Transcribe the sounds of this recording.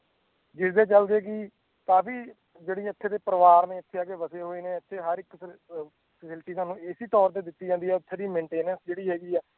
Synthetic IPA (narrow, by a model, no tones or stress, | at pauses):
ɡɪɾd̪eːt͡ʃəld̪eːkiː | t̪ãːbiː | d͡ʒeːɽiːɪt̪ʰːeːt̪eːpəɾəʋaːɾnẽːɪt̪ʰːeːaːɡeːbəseːɦoːeːnẽːət̪ʰːeːɦəɾɪk | pəsɪlʈiːsaːnũːɪsiːt̪ɔːɾt̪eːd̪ɪt̪ːiːd͡ʒãːnd̪iːɛːʊt̪ʰːeːd̪iːmẽːɳʈeːnənsd͡ʒeːɽiːɦɛːɡiːɛː